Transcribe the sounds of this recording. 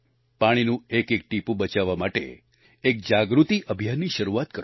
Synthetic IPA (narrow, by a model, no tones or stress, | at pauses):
paɽ̃inũekek̚ʈipũbət͡ʃaʋːamaʈḛ | ek̚d͡ʒaɡɾut̪iʔəbʱijanːiʃəɾuʋat̪̚kəɾ